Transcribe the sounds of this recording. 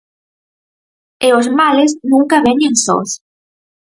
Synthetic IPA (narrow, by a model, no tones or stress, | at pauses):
eʊzmalɪznũŋkaβeɲeŋso̰s